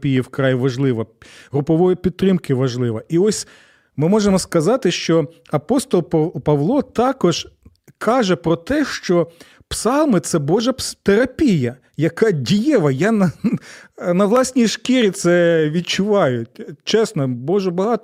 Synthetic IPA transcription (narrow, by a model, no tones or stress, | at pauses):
pʲijiwkɾɑjʋɐʒlˠɪʋɐɦɾʊpɔʋɔjʊpʲid̪̚t̪ɾɪmkɪʋɐʒlˠɪʋɐiɔsʲ | mɪmɔʒemɔskɐzɑt̪ɪʃt͡ʃɔɐpɔst̪ɔlˠppɐʋlˠɔt̪ɑkɔʒ | kʰɑʒɛpɾɔt̪ɛʃt͡ʃɔ | psɑlˠmɪt̪sɛbɔʒɐpt̪eɾɐpʲijɐ | jɐkɑdʲijɛʋɐjanɐ | nɐʋlˠɑsʲnʲijʃkiɾʲit̪sɛʋʲid̪̚t͡ʃʊʋɑjʊtʲt͡ʃɛsnɔbɔʒɛbɐɦɑt̪